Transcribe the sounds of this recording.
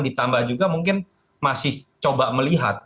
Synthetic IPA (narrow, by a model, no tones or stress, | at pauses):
ŋdit̪ambahd͡ʒuɡamuŋkɪn | masɪht͡ʃobaʔməliɦa̰t̪̚